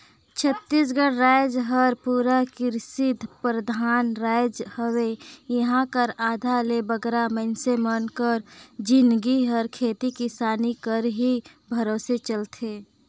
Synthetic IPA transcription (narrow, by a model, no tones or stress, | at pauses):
t͡ʃʰət̪ːis̬ɡəɽɾajd͡ʒɦəɾpuːɾakɪɾsɪd̪ʱpɾəd̪ʱaːnɾajd͡ʒhəwejəɦãkəɾaːd̪ʱalebəɡɾamənsemənkəɾd͡ʒɪnɡiɦəɾkʰeːt̪ikisaːnikəɾɦi | bʱəɾoːset͡ʃəlt̪ʰeː